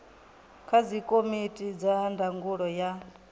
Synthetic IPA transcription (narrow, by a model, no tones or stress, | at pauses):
kʰad͡zʷikʼomitʼid͡zaɦandʱaŋɡuɺɔja